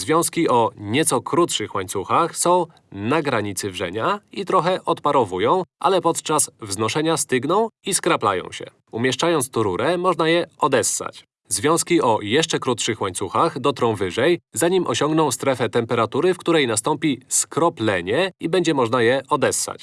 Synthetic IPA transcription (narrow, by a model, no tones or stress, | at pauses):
zvʲjɔ̃w̃skʲiɔɲɛt̪sɔkɾut̪ʂɘxwaɲt̪suxaxsɔ̃w̃ | naɡɾaɲit̪sɘvʐɛ̰ɲait̪ɾɔxɛʔɔt̪paɾɔvujɔ̃w̃ʔa̰lɛpɔt̪t͡ʂasvznɔʂɛɲast̪ɘɡnɔ̃w̃iskɾapla̰jɔ̰̃w̃ɕɛ̰ | umʲjɛʂt͡ʂajɔnt̪st̪ɔɾuɾɛmɔʐnajɛɔd̪ɛsːa̰t͡ɕ | zvʲjɔ̃w̃skʲiɔjɛʂt͡ʂɛkɾut̪ʂɘxwaɲt̪suxaxd̪ɔt̪ɾɔ̃wvɘʐɛjzaɲimɔɕɔŋɡnɔ̃w̃st̪ɾɛfɛt̪ɛmpɛɾat̪uɾɘfkt̪uɾɛjnast̪ɔmpʲiskɾɔplɛɲɛibɛɲd͡ʑɛmɔʐnajɛʔɔd̪ɛsːa̰t͡ɕ